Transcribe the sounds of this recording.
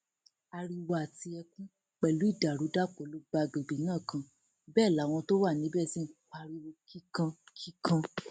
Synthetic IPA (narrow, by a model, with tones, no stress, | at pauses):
a˧ɾi˧wa˧˨ti˧ɛ˧kũ˦ | k͡pɛ˨lu˨˦i˦˨da˨ɾu˨˦da˦k͡po˨˦lo˦ɡ͡ba˧˨ɡ͡be˨ɡ͡be˨˦nãː˦˨kã˧ | bɛː˦˨la˨˦w̃ɔ̃˧to˦wa˦˨nĩ˨˦bɛ˦˨si˦k͡pa˧ɾi˧ɾo˧ki˦kã˧kʰi˦kʰã˧